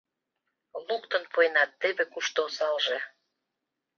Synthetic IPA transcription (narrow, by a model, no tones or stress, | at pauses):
lukt̪ə̆npojnɑt̪ːeβekuʃt̪oosɑlʒe